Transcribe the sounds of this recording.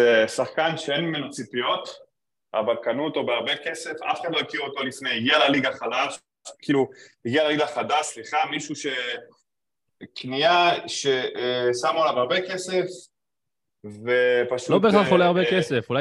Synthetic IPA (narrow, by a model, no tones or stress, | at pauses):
esaχkanʃeenminot͡sipijo̞t̪ | ʔa̰valkanuot̪o̞beaʁbe̞ke̞se̞fa̰feχad̪lojekiʁot̪o̞lifnejiɡialaliɡaχalalʃ | aʃkiːluhiɡialaliɡaχadaʃsliχamiʃuʃe̞ | knijaʃe̞ʔsamolavaʁbe̞ke̞se̞f | ve̞paʃulobeaoleaʁbekesefulaj